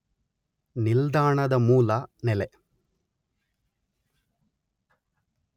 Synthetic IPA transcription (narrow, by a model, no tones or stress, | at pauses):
nild̪aːɳɐd̪ɐmuːlɐnɛlɛ